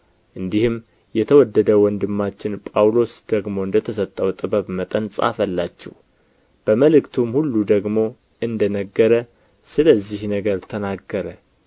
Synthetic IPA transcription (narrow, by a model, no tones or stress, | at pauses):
ʔɨnd̪ihɨm | jɛt̪ʰəwɔd̪ːəd̪əwɔnd̪ɨmːat͡ʃːɪnpʼawlo̞sd̪̥əɡmo̞ɨnd̪ət̪ʰəsət̪ʼːəwt̪ʼɨbəβmət̪ʼənsʼa̰fəlːat͡ʃːɛ̰w | b̥əməlɨkt̪ʰumhulːud̪əɡmo̞ | ʔɨnd̪ənəɡːəɾə | sɨləzːihnəɡəɾt̪ʰənaɡːəɾə